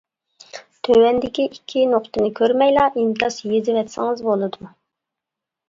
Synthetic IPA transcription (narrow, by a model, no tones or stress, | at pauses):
t̪ʰøwɛnd̪ɪkʲiʔikʲʰːinoqt̪ɨnɨkʲʰøɾmɛjlˠɑʔimt̪ʰɑsjizɪvɛt̪sɪŋɨzbolˠɨd̪u